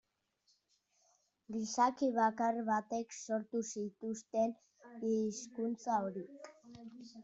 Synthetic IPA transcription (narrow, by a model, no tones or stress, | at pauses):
ɡisakiβakarβat̪e̞kso̞ɾt̪usit̪ust̪e̞n | iskunt͡saoɾik